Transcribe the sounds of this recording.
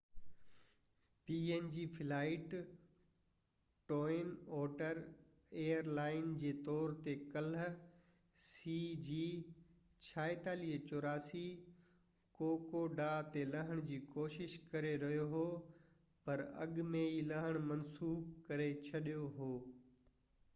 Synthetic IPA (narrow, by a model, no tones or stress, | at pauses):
piːeːnd͡ʑiːpʰɪlaːɪʈ | ʈɔːɪnɔːʈəɾeːəɾlaːɪnd͡ʑeːt̪ɔːɾt̪ekɐl | siːd͡ʑiː | t͡ɕʰaːet̪aːliːɦət͡ɕoːɾaːsi | koːkoɖaːt̪elɐɦəɽ̃d͡ʑiːkoːʃɪʃkɐɾeɾɐɦijoɦoːpɐɾɐ̰ɠmẽilɐɦəɽ̃mɐnsuːbkɐɾet͡ɕʰɐɗijoɦoː